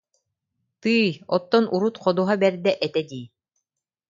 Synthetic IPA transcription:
t̪ɯːjɔt̪ːɔnʔuɾut̪qɔd̪uɦabɛɾd̪ɛʔɛt̪ɛd̪iː

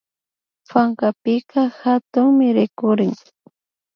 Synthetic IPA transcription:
paŋkapɪkaxat̪ʊŋmɪɾɪkʊɾɪŋ

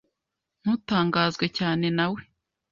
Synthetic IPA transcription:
n̥uːtaːŋɡaːzɡwecaːne̞nawe̞

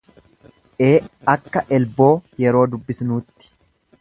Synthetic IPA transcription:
ʔe̞ːɐkːɐʔɛlbo̞ːjɛɾo̞ːd̪ʊbːɪsnuːt̪ːɪ̥

